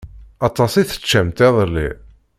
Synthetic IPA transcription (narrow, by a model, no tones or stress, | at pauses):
ɑt̪ˤːɑsiθə̥t͡ʃːæmt̪æðˤəlːḭ